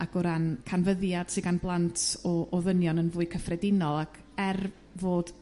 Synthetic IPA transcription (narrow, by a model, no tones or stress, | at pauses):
aɡɔɾankʰanvəðjad̥sɪɡanblˠantʰɔʔɔðənjɔnənvuːɨkʰəfrɛdɪnɔlˠakʰ | ɛr | voːd̥